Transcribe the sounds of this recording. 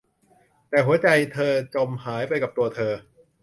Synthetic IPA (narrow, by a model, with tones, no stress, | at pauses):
t̪ɛː˨˩ɦu˨˩˦ɐt͡ɕa˧jt̪ʰɤː˧t͡ɕo˧mhaː˩˦jpa˧jka˨˩p̚t̪u˧ɐt̪ʰɤː˧